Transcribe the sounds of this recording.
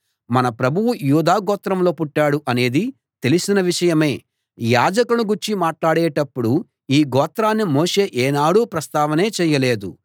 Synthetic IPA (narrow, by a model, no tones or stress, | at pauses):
mɐnɐpɾɐbʱuwujuːd̪aːɡɔːt̪ɾɐmlo̞ːpuʈːaːɽuʔɐne̞ːd̪i | t̪e̞lisinɐʋiʂɐjɐme̞ː | jaːd͡ʒɐkunuɡuɾt͡ʃimaːʈlaːɽeːʈɐpːuɽu | iːɡɔːt̪ɾaːnːimoːʂe̞ːʔeːnaːɽuːpɾɐst̪aːʋɐne̞ːt͡ʃɛːjɐle̞ːd̪ṵ